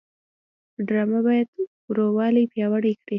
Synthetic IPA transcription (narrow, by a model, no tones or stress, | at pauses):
ɖɾɑmabɑjad̪ | ɾowɑlipjɑwaɽikɽi